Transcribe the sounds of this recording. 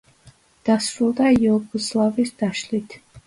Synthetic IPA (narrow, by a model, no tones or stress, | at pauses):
d̪̥asruld̪ajɔɡuslˠavisd̪aʃlit̪ʰ